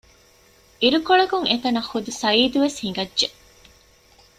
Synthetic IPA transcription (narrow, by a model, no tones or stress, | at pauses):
ʔiɾukoɭɐkuŋet̪ɐnɐxud̪usɐiːd̪uʋeshiŋɡɐʒe